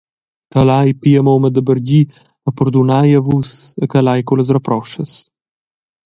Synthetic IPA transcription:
kalajpiəmoməd̪əbəɾɟi | əpɔɾd̪unajavusəkalajkuləs̬rəpɾɔʃəs

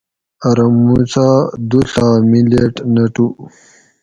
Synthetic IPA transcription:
ɐɾɐmut͡sad̪uɬamileʈnɐʈu

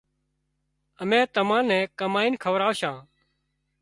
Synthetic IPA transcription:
əmɛ̃ːt̪əmãːnɛ̃ːkəmaːiːnkʰəʋɾaːʋʃãː

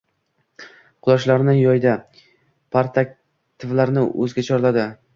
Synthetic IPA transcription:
qʰʊlˠaʃlaɾnɪjɒjd̪a | pʰaɾt̪ʰak̚ʲ | t̪ʰɪvlaɾnɪʔɵ̰zɡʲat͡ʃʰɒɾlad̪ɪ

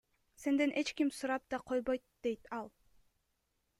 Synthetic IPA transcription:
se̞nd̪e̞nʔe̞t͡ʃkimsuɾɑp̚d̪ɑqʰo̞jβojt̪̚d̪e̞jt̪ɑlˠ

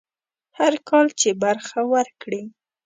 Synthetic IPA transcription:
haɾkɑlt͡ʃebaɾxawəɾkɽi

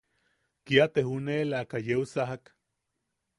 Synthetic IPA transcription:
kiat̪eɦunelakajeusaɦak

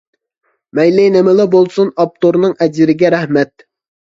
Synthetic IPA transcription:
mɛjlɪjnɪmɪlˠɨbolˠsunɑp̚t̪oɾnɨŋɛd͡ʒɪɾɪɡʲɛɾɛhmɛt̪̚

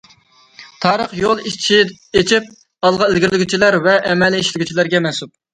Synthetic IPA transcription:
t̪ʰɑːɾəχjolˠit͡ʃʰi | et͡ʃʰip̚ | ɑlˠʁɑezɡʲiɾlɪɡʲyt͡ʃʰilæɾvɛʔɛmɛliiʃlɪɡʲyt͡ʃʰilæɾɡʲɛmɛsup̚

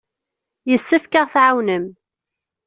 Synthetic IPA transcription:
jəsːəfkaʁθʕawnəm

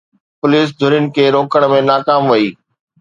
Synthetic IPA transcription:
pʊliːs̬d̪ʱʊɾɪənɪ̆kʰeːɾoːkəɽ̃mẽnaːkaːmʋɐiː

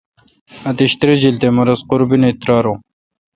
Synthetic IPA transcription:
ɐt̪iɕt̪ɾid͡ʑilt̪emɐɾɐzqʊɾbineit̪ɾɑːɾo

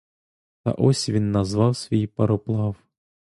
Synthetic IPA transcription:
t̪ɐ̰ʔɔsʲvʲinːɐzʋɑwsvʲijipɐɾɔplˠɑw

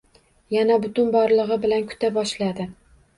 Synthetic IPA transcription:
janabʊt̪ʊnbɒɾlˠɨʁɨbɪlankʰʊ̥t̪ʰabɒʃlad̪ɪ

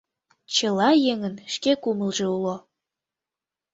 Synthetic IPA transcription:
t͡ɕəlɑjeŋənʃkekuməlʒeulo

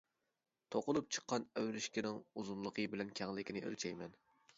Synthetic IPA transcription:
t̪ʰoqʊlˠup̚t͡ʃʰə̥qʰːɑnæwɾɪʃkʲɪnɪŋuzunlˠəqʰəbɪlɛnkʲʰɛŋlɪkʲinɪʔø̰lt͡ʃʰɛjmɛn

